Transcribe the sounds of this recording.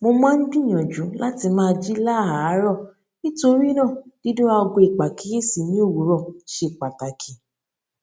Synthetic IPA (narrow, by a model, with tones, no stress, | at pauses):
mo˧mã˦n̩˦bĩ˦˨ɔ̃˨d͡ʒũ˨˦la˦ti˧mãː˦˧d͡ʒi˦la˦˨ɦa˨˦ɾɔ˦˨ | nĩ˦to˧ɾi˦nã˦˨di˨˦dõ˦a˧ɔ˧ɡo˧i˨k͡pa˨ki˨˦ɾe˦si˨nĩ˨˦o˦˨wu˨˦ɾɔ˦˨ʃe˧˨k͡pa˨ta˨kʰĩ˨˦